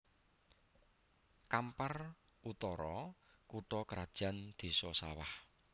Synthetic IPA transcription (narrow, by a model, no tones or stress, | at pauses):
kampar | ut̪ɔɾɔ | kuʈɔkɾad̥ʒ̥a̤nd̪̥i̤sɔsawah